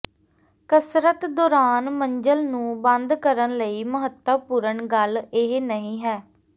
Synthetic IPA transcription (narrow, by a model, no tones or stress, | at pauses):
kəsɾət̪d̪oːɾaːnməɲd͡ʒəlnũːbə̃nd̪kəɾənləiːməɦət̪ːəpuːɾəɳɡəlɪɦnəɦĩːɦɛː